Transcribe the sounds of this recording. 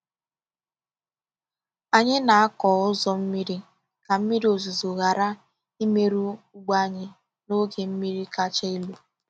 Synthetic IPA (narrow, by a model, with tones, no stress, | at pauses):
a˨ɲɪ˦na˨a˦kɔː˨ʊ˦zɔ˦m̩˦mi˦ɾi˦ | ka˨m̩˦mi˦ɾi˦o˨zu˨zo˨ɣa˨ɾa˦ | i˦me˦ɾu˦u˦ɡ͡ba˦ɲɪ˦ | no˦ɡe˨m̩˦mi˦ɾi˦ka˦t͡ʃe˦i˦lu˨